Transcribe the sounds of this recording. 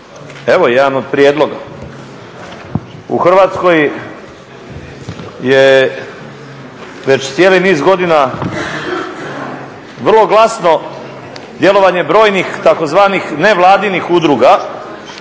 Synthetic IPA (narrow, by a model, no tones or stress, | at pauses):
e̞ʋo̞jed̪anod̪̚pɾijeːd̪lo̞ɡa̰ | ṵxr̩ʋaːt̪sko̞j | je | ʋe̞t͡ɕt̪sjeːliniːzɡo̞d̪ina | ʋr̩lˠo̞ɡlˠasno̞ | d̪je̞lˠo̞ʋaɲe̞bɾo̞ːjnixt̪ako̞zʋaːnixne̞ʋlˠaːd̪inixud̪ɾuɡa